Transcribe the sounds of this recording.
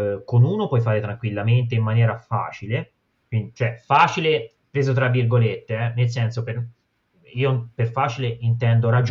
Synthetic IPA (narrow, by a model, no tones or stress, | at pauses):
konuːnopwɔjfaːɾet̪ɾaŋkwilːament̪̬eimːanjɛːɾafa̰ːt͡ʃile | kwind̪it͡ʃoɛfaːt͡ʃile | pɾeːzot̪ɾavːirɡolet̪ːeɛnels̬ɛnsoper | iːoperfaːt͡ʃileʔint̪ɛnd̪oɾad͡ʒ